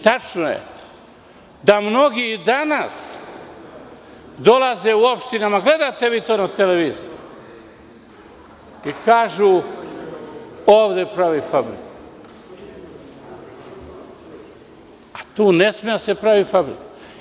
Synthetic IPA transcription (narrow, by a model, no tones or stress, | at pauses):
t̪at͡ʃnojḛ | d̪amno̞ɡid̪anas | d̪o̞lazeuo̞pʃt̪inamaɡle̞d̪at̪e̞ʋiːt̪oːnat̪eleʋiziju | ikaːʒuː | oːʋd̪epɾaʋifabɾḭku | at̪uːnesmijasepɾaʋifabɾḭku